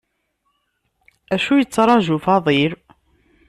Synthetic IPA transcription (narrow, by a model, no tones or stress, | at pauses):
æʃujət͡sːɾˤɑʒufɑðˤiɾ